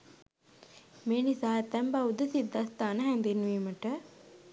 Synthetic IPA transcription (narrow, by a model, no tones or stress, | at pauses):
meːnisaːet̪ːɛmbaud̪əsid̪ːɐst̪aːnəɦɛnd̪inʋiːməʈə